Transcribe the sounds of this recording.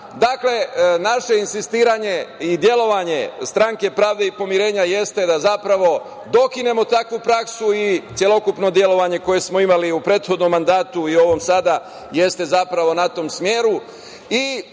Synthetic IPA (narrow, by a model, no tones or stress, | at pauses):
d̪akle̞naʃe̞insist̪iːɾaɲe̞id̪je̞lo̞ʋaɲe̞st̪ɾaŋke̞pɾaːʋd̪e̞ipo̞miɾe̞ːɲaje̞st̪e̞d̪azapɾaʋo̞ | d̪o̞kine̞mo̞t̪akʋupɾaksuit̪sje̞lo̞kupno̞d̪je̞lo̞ʋaɲe̞ko̞je̞smo̞imaliupɾe̞ːt̪xo̞d̪no̞mːand̪aːt̪uio̞ʋo̞msad̪a | je̞st̪e̞zapɾaʋo̞nat̪o̞ːmsmje̞ːɾu | i